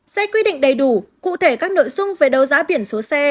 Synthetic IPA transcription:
sɛ˧kwi˧ɗḭ̈˧˨ŋ̟ɗə˨˩jɗu˧˩kṵ˧˨t̪ʰe˧˩kaː˦˥k̚no̰˧˨jzʊ˧ŋ͡mve˨˩ɗə˨˩wzaː˨˦ɓi˧˩ənso˨˦sɛ˧

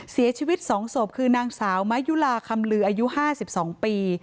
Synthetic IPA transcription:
si˨˩˦t͡ɕʰiː˧wi˦˥t̪̚sɔː˩˦ŋso˨˩p̚kʰɯː˧naː˧ŋsaː˩˦wma˦˥ju˦˥laː˧kʰa˧mlɯː˧˩ʔaː˧ju˦˥ʔhaː˥˩si˨˩p̚sɔː˩˦ŋpiː˧

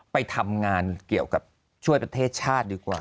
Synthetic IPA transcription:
pa˧jt̪ʰa˧mŋaː˧nki˨˩əwka˨˩p̚ | t͡ɕʰu˥˩əjpɾa˧t̪ʰeː˥˩t̪̚t͡ɕʰaː˥˩t̪̚diː˧kwa̰ː˨˩

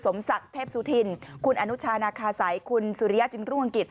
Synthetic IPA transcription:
so˩˦msa˨˩k̚t̪ʰeː˥˩p̚suː˨˦t̪ʰi˧nkʰu˧nʔa˧nu˦˥t͡ɕʰaː˧naː˧kʰaː˧sa˩˦jkʰu˧nsuː˨˧ɾi˦˥ja˦˥t͡ɕɯ˧ŋɾuː˥˩ʔa˧ŋki˨˩t̪̚

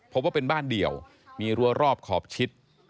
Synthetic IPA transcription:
pʰo˦˥p̚waː˥˩pe˧nbaː˥˩ndi˨˩əw | miː˧ɾu˧ɐɾɔː˥˩p̚kʰɔ̰ː˨˩p̚t͡ɕʰi˦˥t̪̚

